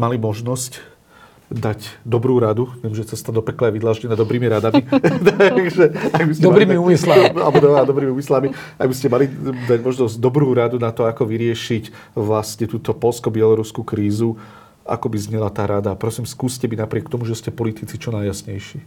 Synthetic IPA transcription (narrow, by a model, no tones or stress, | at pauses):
malimɔʒnɔsc | d̪aɟd̪ɔbɾuːɾad̪uʋɪɛmʒɛt͡sɛst̪ad̪ɔpɛklɛaʋid̪laːʒɲɛnad̪ɔbɾiːmiɾad̪amit̪aaɡʒɛaɡbisd̪ɔmabɾiːmiuːmisla̰lbɔd̪ɔad̪ɔbɾiːmiumislami | aɡbiscɛmalid̪aɟmɔʒnɔzɟd̪ɔbɾuːɾad̪unat̪ɔakɔʋiɾɪɛʃic | ʋlasɲɛt̪uːt̪ɔpɔlskɔbɪɛlɔɾuskukɾiːzu | a̰kɔbizɲɛlat̪aːɾad̪apɾɔsiːmskuːscɛminapɾɪɛkt̪ɔmuʒɛscɛpɔlit̪it͡sit͡ʃɔnajjasɲɛjʃiː